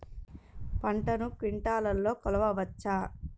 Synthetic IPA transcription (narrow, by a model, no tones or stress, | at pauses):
pɐɳʈɐnukiɳʈaːlɐlːoːkɔlɐʋɐʋɐt͡ʃːaː